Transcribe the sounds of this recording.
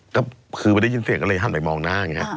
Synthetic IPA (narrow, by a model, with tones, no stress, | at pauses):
kɔː˥˩kʰɯː˧a˧˦da˥˩˨i˧nsi˨˩˦kɔ˥˩lːɤ˧jɦa˧˨˩pa˧jmɔː˧ŋnaː˥˩a˨˩ŋi˦˥ɐ